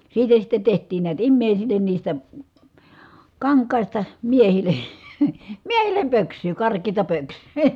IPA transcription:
siːtæ sitːe tehtˑiːn niæt imːeˑisilːen niːstæ kɑŋkˑɑˑistɑ miehilˑe̥ miehilˑem pøksˑyː kɑrkˑeːtɑ pøksˑyː

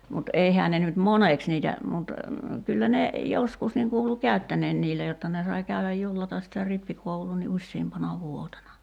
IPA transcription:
mut eihæː ne nyt moneks niːtæ mut kylːæ ne joskus niŋ kuːlu kæˑy̞tːænˑeːn niːlːæ jotːɑ ne sɑi kæyʋæj julːɑtɑs sitæ ripːikouluː ni usʲsiːmpɑnɑ ʋuotenɑ

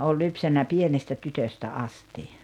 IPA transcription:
oːlʲ lypsænːæ pienestæ tytøstæ ɑsti

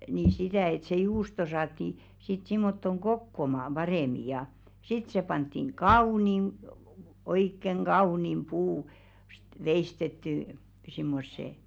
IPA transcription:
ni sitæˑ et se juːsto sɑːtːi sit simːotːoŋ ɡ̊okːomɑːm b̥ɑreˑmi jɑ sit se pɑntːiŋ kɑunim oikːeŋ ɡ̊ɑunim puː st ʋeistetːyˑ simːosːe

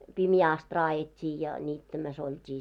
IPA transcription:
pimjæː ɑst rɑːjetʲːiː jɑ niːtːæmæs oltʲi

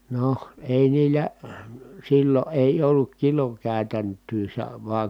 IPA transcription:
noh eˑi niːlːæ silːo ʔeˑi olːuk kilokæˑy̞tæntˑyː se ʋɑĕŋ

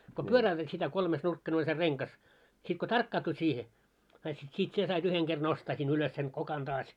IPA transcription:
ko pyøræytæt sitæ kolmesnurkːɑne olʲ se reŋkɑs sit ko tɑrkːɑːtu siːhe sɑit sit siːt sie sɑit yheŋ ɡ̊er nostɑː sin uløs sen kokɑn tɑːs

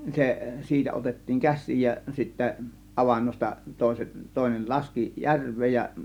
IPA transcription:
se siːtæ otetːiːŋ kæsˑiːj jɑ sitːæ ɑʋɑnːostɑ toˑe̝set toˑe̝nel lɑski jærʋˑeːj jɑ

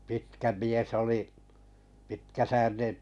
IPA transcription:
pitkæ mies oli pitkæsæːrineʔ

